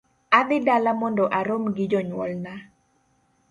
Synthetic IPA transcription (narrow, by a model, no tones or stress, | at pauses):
ad̪ɪdalamɔndɔʔaɾomɡɪd͡ʒɔɲwɔlna